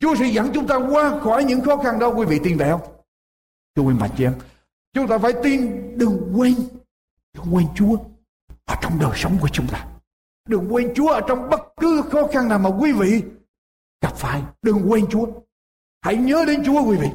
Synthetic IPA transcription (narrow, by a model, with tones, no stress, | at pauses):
t͡ɕu˨˦əsɛ̰˧˥za˧˩ŋt͡ɕʊ˨˦ŋ͡mt̪aː˧kwaː˧xɔ˨˩jɲɨ̰˧˥ŋxɔ˨˦xa˧nɗə˧wkwi˨˦vḭ˧˨t̪i˧˩nvə˨˩jhə˧wŋ͡m | t̪ʰɨ˧əkwɛ˧nɓa̰˧˨nt͡ɕi˧ʔɛ˧m | t͡ɕʊ˨˦ŋ͡mt̪aː˧faː˧˩˦jt̪i˧nɗɨ˨˩ŋkwe˧n | ɗɨ˨˩ŋkwe˧nt͡ɕu˨˦ə | ʔəː˨˩t͡ɕɔ˧wŋ͡mɗəː˨˩jsə˨˦wŋ͡mku˧˩ət͡ɕʊ˨˦ŋ͡mt̪aː˧ | ɗɨ˨˩ŋkwe˧nt͡ɕu˨˦əʔəː˧˩t͡ɕɔ˧wŋ͡mɓə˦˥t̚kɨ˨˦xɔ˨˦xa˧nnaː˨˩wmaː˨˩kwi˧˦vḭ˧˨ | ɣa˨˩p̚faː˧˨jɗɨ˨˩ŋkwe˧nt͡ɕu˨˦ə | ha̰˧˥jɲəː˨˦ɗe˨˦nt͡ɕu˨˦əkwi˧˦vḭ˧˨